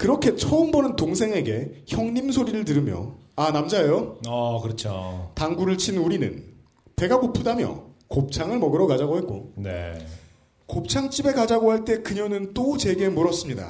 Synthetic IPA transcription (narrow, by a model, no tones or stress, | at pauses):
kɯɾʌkʰe̞t͡ɕʰʌɯmbʌnɯntoŋsʰe̞ŋe̞ɡe̞çjʌŋɲimsʰoɾiɾɯɭt̬ɯɾɯmjʌ̰anamd͡ʑaejoakɯɾʌt͡ɕʰotaŋɡuɾɯɭt͡ɕʰinuɾinɯ̰n | te̞ɡakopʰudamjʌ̰kop̚t͡ɕʰaŋɯɭmʌɡɯɾʌkad͡ʑaɡoɦe̞t̚k͈o̰nḛ | kop̚t͡ɕʰaŋt͡ɕ͈ibe̞kad͡ʑaɡoɦaɭt͈e̞kɯɲʌnɯnt͈ot͡ɕe̞ɡe̞muɾʌs͈ɯmɲida̰